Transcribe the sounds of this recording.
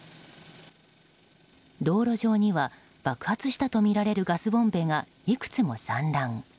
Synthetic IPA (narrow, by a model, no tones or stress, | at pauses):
d̪o̞ːɾo̞ʑo̞ːɲ̟iβa | b̥akɯ̟̥hat͡sɨɕi̥t̪at̪o̞mʲiɾaɾe̞ɾɯ̟ɡasɨbõ̞mbe̞ːŋa | ikɯ̟̥t͡sɨmo̞sãnɾãŋ